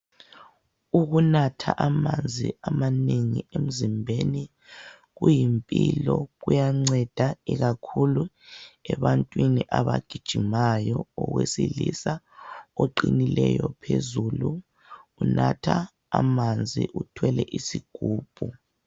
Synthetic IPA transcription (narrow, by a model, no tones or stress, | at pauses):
uɣunatʰaʔamand͡zʱiamaneŋiem̩zimbʱeni | ɣujimpʼilɔɣujaŋ͡ǀɛd̥ʱaiɣakʰulu | ɛβantʼwiniʔaβaɡ̥ʱid̥ʒ̥ʱimajɔːwesilisa | oǃinilɛjɔpʰezuluː | natʰaː | mand͡zʱiʔutʰwɛlɛʔisiɡ̥ʱuːb̥ʱu